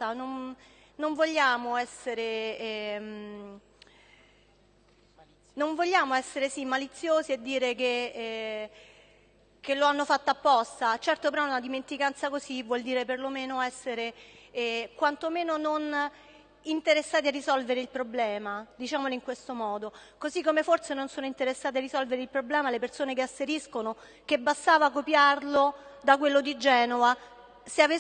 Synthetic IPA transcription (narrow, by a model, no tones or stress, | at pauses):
t̪anon | noɱvoʎːaːmoɛsːeɾeɛm | noɱvoʎːaːmoɛsːeɾesimːalit̪sːjoːzied̪ːiːɾekeɛ | kelːoanːofat̪ːoapːɔst̪at͡ʃɛrt̪opeɾɔɛunad̪iment̪ikant̪sakozivwɔld̪iːɾeperlomeːnoɛsːeɾe | kwant̪omeːnonon | int̪eɾesːaːt̪̬iarːisɔlveɾeilpɾoblɛːmad̪it͡ʃaːmoloiŋkwest̪omɔːd̪okozikːomeforsenonsoːnoint̪eɾesːaːt̪earːizɔlveɾeilpɾoblɛːmalepersoːnek̬easːeɾiskono | kebːast̪aːvakːopjarlod̪akwelːod̪id͡ʒɛːnova | seave